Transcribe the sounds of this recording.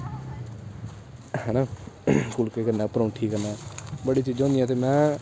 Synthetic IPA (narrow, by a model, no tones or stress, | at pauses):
hɛnaːkʊlkeːkəɾnaːpəɾõːʈʰiːkənaːbəɽiːt͡ʃiːd͡ʒɔ̃ːnd̪ijɛːt̪eːmɛ̃ː